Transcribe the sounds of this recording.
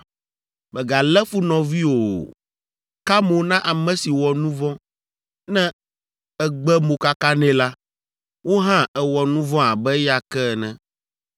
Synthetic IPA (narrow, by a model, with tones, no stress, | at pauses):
bɛ˨ɡa˨lɛ˦fu˦nɔ̃˨vi˦o˨ | ka˦mo˨˦nã˦ʔa˨mɛ̃˦si˨wɔ˨nũ˦vɔ̃˦ | nɛ̃˦ | ɛ˨ɡ͡bɛ˦mo˨ka˦ka˦nɛ̃˦la˦ | wo˦ɦã˦ɛ˨wɔ˨nũ˦vɔ̃˦a˨bɛ˦ja˨kɛ˦˨nɛ̃˦˨